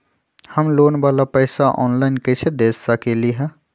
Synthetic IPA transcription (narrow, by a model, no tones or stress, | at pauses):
hɐmloːnʋaːlapɛːsaʔɔ̰ːnlaːɪnkesed̪eːsakeliɦɛː